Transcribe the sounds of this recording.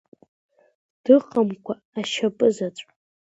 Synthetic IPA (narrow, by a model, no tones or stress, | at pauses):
d̥ɨqʼamkʷʰaːʃapʼɨzat͡sʷʼ